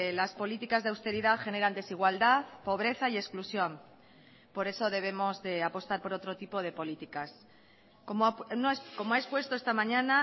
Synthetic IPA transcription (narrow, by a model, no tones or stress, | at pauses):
laspo̞lit̪ikazðe̞awst̪e̞ɾiðaxe̞ne̞ɾand̪e̞siɣ̞wald̪aðpo̞β̞ɾe̞θaiesklusjo̞m | po̞ɾe̞soð̞e̞β̞e̞mo̞zðe̞apo̞st̪aɾpo̞ɾo̞t̪ɾo̞t̪ipo̞ð̞e̞po̞lit̪ikas | komonosko̞moaespwe̞st̪oest̪amãɲãna